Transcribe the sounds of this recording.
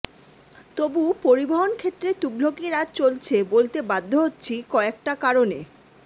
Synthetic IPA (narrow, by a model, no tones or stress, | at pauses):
t̪obupoɾiboɦonkʰet̪ːɾet̪uɡl̤okiɾat̪̚t͡ɕolt͡ɕʰebolt̪ebad̪ʱːoɦotːɕʰikɔek̚ʈakaɾone